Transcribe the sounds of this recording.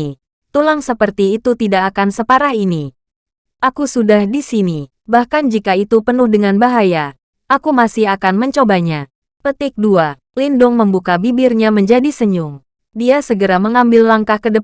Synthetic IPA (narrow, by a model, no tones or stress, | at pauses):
t̪ulaŋsəpərt̪iːt̪ut̪idakːkansəpaɾaɦini | ʔakusudahdisini | bahkand͡ʒikait̪upənʊhdəŋanbaɦaja | ʔakumasɪɦakanməɲt͡ʃobaɲa | pət̪ɪk̚dua | lindʊŋməmbukabibɪrɲaməɲd͡ʒadisəɲʊŋ | diasəɡəɾaməŋambɪlːlaŋkahkədə